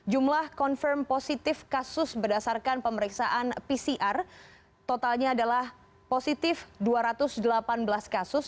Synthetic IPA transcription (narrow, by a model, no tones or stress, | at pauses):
d͡ʒumlahkɔnfərmposit̪ɪfkasʊsbərdasarkanpəməɾiksaʔanpisiʔar | t̪ot̪alɲaːdalah | posit̪ɪfduaɾat̪ʊsdəlapanbəlaskasʊs